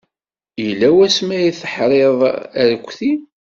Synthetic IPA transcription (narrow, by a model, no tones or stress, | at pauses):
ilːæwæsmæjiθəħɾˤeðˤəɾkʷːθi